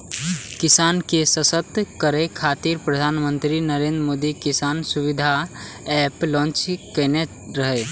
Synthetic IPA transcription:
kɪsaːnkesəsət̪ːkəɾekʰaːt̪iɾpɾəd̪ʱaːnmə̃nt̪ɾinəɾẽːnd̪ɾmoːd̪ikɪsaːnsʊʋɪd̪ʱa | ɛːplɔ̃ːnt͡ʃkɛne | ɾəɦe

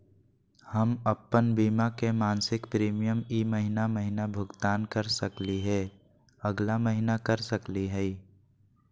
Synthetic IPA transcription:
həməpːənbiːmakemaːnsɪkpɾiːmijəmiːməɦɪnaməɦɪnabʱʊɡt̪aːnkəɾsəkliɦɛː | əɡlaməɦɪnakəɾsəkliɦɛi

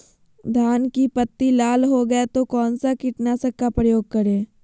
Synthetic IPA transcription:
d̪ʱaːnkipɐt̪ːilaːlɦoɡɐet̪okɔːnsakɪʈnasɐkːapɾɐjoːɡ̚kɐɾeː

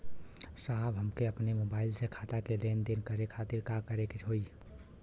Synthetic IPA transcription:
saɦbɦəmkeəpnemobailsekʰat̪akelend̪inkəɾekʰat̪iɾkakəɾeket͡ʃʰɦoi

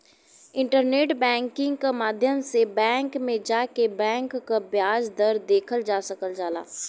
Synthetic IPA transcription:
ɪ̃ɳʈəɾneːʈbɛ̃ːŋkɪ̃ŋɡkamaːd̪ʱjəmsebɛ̃ːŋkmẽd͡ʒaːkebɛ̃ːŋkːabjaːd͡ʒd̪əɾd̪eːkʰəld͡ʒaːsəkəld͡ʒaːla̰ː

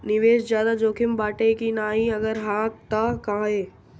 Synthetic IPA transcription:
nɪʋeːʃzjaːd̪ad͡ʒoːkʰɪmbaːʈekinaːɦĩɐɡəɾɦãːt̪ɐkaeː

